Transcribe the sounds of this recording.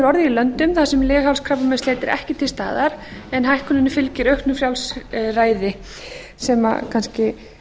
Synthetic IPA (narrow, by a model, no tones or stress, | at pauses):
ɾɔɾðɪɪlœnt̪ʏmθasɛmlɛːɣhawlskʰɾaplamɛnst̪ɛːt̪ɪɾɛ̰hcɪt̪ʰɪlst̪a̰ːðaɾ̥ɛnɦajhkʏnʏnːʏfɪlcɪɾœhknʏfɾjawlsraːjðɪ | sɛma̰kʰanscɪ